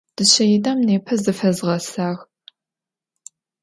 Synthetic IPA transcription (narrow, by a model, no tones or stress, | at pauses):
d̥ɨɕɐjɪdaːmneːpʰɐzɨfɐzʁɐsaːx